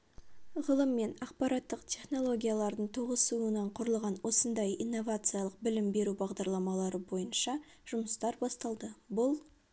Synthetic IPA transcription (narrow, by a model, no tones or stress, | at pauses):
ʁəlˠəmːe̞nɑq̚pɑɾɑt̪ːəqt̪ʲʰe̞χno̞lˠo̞ɡʲijalˠɑɾd̪əɴt̪ʰoʁəsuənɑɴqʰʊɾəlˠʁɑnwo̞sənd̪ɑjḭjnːo̞vat̪sɨjɑlˠəq̚bɪlɪmbe̞ɾubɑʁd̪ɑɾlˠɑmɑlˠɑɾəbo̞jənʃɑ | ʒ̥ʊməst̪ɑɾbɑst̪ɑlˠd̪əbʊlˠ